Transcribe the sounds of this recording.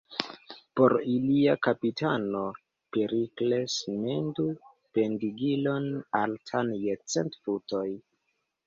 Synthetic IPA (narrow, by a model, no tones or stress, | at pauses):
po̞ɾiliakapitano̞ | peɾikle̞sme̞ndu | pe̞ndiɡilo̞naltʰanjet͡se̞ntfuto̞j